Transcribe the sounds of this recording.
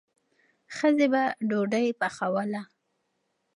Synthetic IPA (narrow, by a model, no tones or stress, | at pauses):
xəzebaɖoɖəjpaxawala